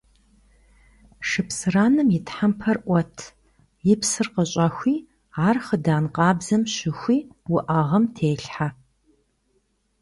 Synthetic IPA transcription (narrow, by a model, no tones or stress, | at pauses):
ʂɨpsɨraːnɨmjɪtħampʰɐrʔʷɔtʰ | jɪpsɨrqəɕʼaxʷiː | aːrχədaːnqɑːbzɐmɕɪxʷiːwʊʔaʁɐmtʰeːɬħa